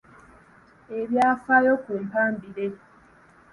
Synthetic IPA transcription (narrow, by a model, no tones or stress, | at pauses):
eβjaːfajokweːmpaːmbiɾe